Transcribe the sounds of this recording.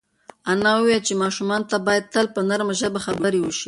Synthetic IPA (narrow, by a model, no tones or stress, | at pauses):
anɑwəwelt͡ʃemɑʃumɑnt̪abɑjad̪̚t̪əlpənaɾmaʒəbaxabəɾewəʃi